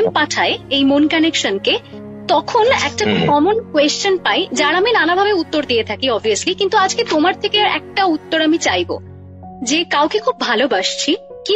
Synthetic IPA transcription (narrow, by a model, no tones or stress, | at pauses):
mpaʈʰaeejmonkanekʃonke | t̪ɔkʰonɛ̰k̚ʈakɔmonkwest͡ɕonpajd͡ʑaɾaminanabʱabeut̪ːoɾd̪iet̪ʰakiɔbʱiəslikint̪uad͡ʑket̪omaɾt̪ʰekeɛ̰k̚ʈaut̪ːoɾamit͡ɕajbo̰ | d͡ʑekawkekʰub̚ːʱalobaʃt͡ɕʰi | ki